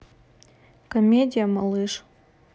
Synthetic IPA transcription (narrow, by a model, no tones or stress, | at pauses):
komʲed̪ʲijamɐlˠɨʃ